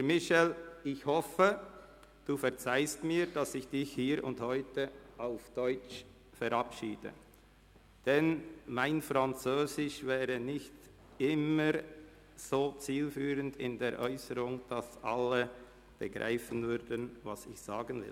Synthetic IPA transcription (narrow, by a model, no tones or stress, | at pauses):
hɛɾmɪʃɛlɪçhɔfə | d̥uːfɛɐt͡saɪstmiːɾd̥asɪçd̥ɪçhiːɾʊ̰nthɔʏtəʔaʊfd̥ɔʏt͡ʃ | fɛɾɑpʃiːd̥ə̰ | d̥ɛnmaɪnfʁant͡søːzɪʃvɛːʁənɪçt | ɪməɾ | z̥oːt͡siːlfyːʁəndɪ̰ndeːɾʔɔʏsəʁʊŋd̥asʔa̰lə | b̥əɡʁa̰ɪfənvʏɾdənva̰sɪçz̥a̰ːɡənvɪ̰l